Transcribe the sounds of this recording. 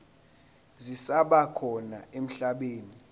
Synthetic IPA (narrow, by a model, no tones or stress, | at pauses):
zisaɓakʰɔnaem̩ɬaɓeːni